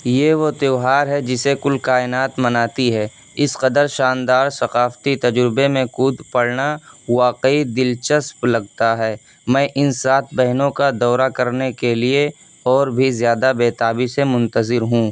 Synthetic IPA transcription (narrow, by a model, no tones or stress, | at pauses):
jeʋot̪eːɦaːɾɦɛd͡ʒɪsekʊlkaːɪnaːt̪mɐnaːt̪iɦɛː | ɪsqɐd̪əɾʃaːnd̪aːɾsɐqaːft̪it̪ɐd͡ʒɾɪbemẽkuːd̪pɐɽnaʋaːqeid̪ɪlt͡ʃəsplɐɡt̪aɦɛː | mɛ̃ːʔɪnsaːt̪ʰbɛɦnõkad̪ɔːɾakɐɾnekelie | ɔːɾbʱizjaːd̪abeːt̪aːbisemʊ̃nt̪əzɪɾɦũː